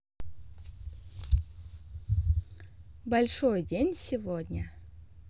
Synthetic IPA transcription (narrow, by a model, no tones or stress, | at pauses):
bɐlʲʂojdʲenʲsʲɪvodʲnʲə